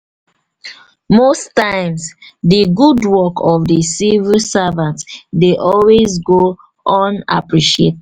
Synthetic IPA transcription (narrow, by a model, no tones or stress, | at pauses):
mostãɪ̃msdəɡudwɔkʰɔvdəsivisavãntdeʔɔlwezɡo | ʔɔ̃na̰pɹiʃiet